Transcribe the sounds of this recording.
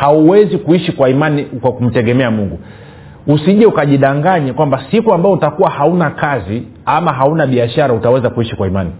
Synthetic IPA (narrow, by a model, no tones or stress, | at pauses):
hauwɛzikuiʃikwaimanikwakum̩tɛɠɛmɛamuŋɡu | usiʄɛukaʄiɗaŋɡaɲɛkwambasikuambaɔutakuwahaunakazi | amaɦaunaɓiaʃaɾautawɛzakuiʃikwaimani